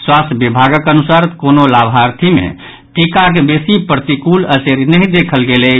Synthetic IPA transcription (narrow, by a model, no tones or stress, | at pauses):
swast̪ʰbibʱaɡəkənusaɾkonolabʱɦaɾt̪ʰimḛ̃ | ʈikak̬ebesipɾət̪ikuləseɾnəɦĩd̪ekʰəlɡele